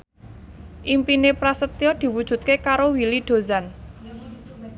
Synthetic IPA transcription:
ʔimpinepɾasət̪ijɔd̪̥i̤wud̥ʒ̥ṳt̪̚kekaɾowilid̪̥o̤zan

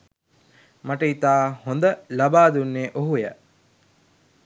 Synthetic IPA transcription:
maʈəit̪aːhond̪əlabaːd̪unːeːʔoɦujə̰

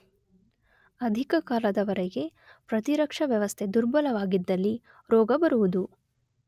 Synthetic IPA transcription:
ɐd̪ʱikɐkaːlɐd̪ɐʋɐɾɛɡe̞ | pɾɐt̪iɾɐkʂɐʋjɐʋɐst̪ʰe̞d̪uɾbɐlɐʋaːɡid̪ːɐlːi | ɾɔːɡɐbɐɾuʋud̪u

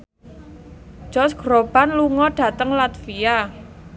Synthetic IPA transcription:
d͡ʒ̥ɔsɡ̥ɾob̥anluŋɔɖ̥ä̤t̪əŋlat̪fia

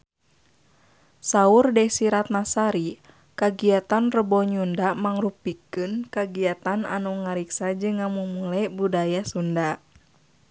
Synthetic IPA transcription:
saurdɛsiɾat̪̚nasaɾi | kaɡiat̪anrəbɔɲundamaŋrupikɨnkaɡiat̪ana̰nuŋaɾiksad͡ʒɨŋːamumulɛbudajasunda

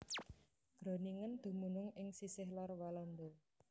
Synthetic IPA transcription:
ɡ̥ɾo̤niŋənd̪̥ṳmunʊŋɪŋsisɪhlɔrwalɔnd̪ɔ

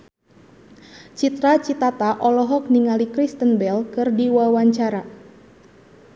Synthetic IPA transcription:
t͡ʃit̪ɾat͡ʃit̪at̪aʔɔlɔɦɔk̚niŋalikɾist̪ənbɛlkɨrdiwawaɲt͡ʃaɾa

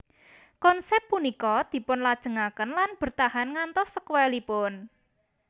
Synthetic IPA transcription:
kɔnsɛpːunikɔd̪̥i̤pʊnlad̥ʒ̥ə̤ŋakənlanb̥ə̤rt̪aɦanŋant̪ɔsːəkwɛlipʊn

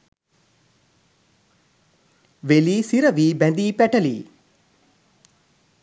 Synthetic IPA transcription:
ʋeliːsiɾɐʋiːbɛnd̪iːpɛʈɐlḭː

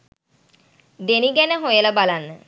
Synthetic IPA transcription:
d̪eniɡɛnəɦojələbalanːə

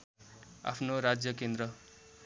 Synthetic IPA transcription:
a̰pʰnoɾad͡zjʌkend̪ɾʌ

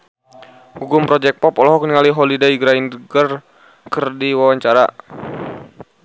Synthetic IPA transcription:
ɡuɡumpɾɔd͡ʒɛk̚pɔpɔlɔɦɔk̚niŋaliɦɔlidaiɡɾainɡər | kərdiwawaɲt͡ʃaɾa

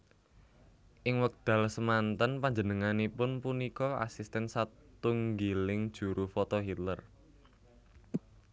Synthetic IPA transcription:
ʔɪŋwək̚d̪̥ä̤lsəmant̪anpaɲd͡ʒənəŋanipʊnpunikɔa̰sist̪ɛnsat̪uŋɡilɪŋd̥ʒ̥ṳɾʔufɔt̪ɔɦit̪lər

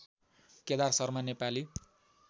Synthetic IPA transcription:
ked̪arsʌrmʌnepali

